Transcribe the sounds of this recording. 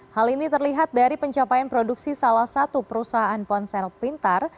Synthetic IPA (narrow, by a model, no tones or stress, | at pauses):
halinit̪ərliɦat̪̚daɾipəɲt͡ʃapajanpɾoduksisalahsat̪upəɾusaɦaanpɔnsɛlpint̪ar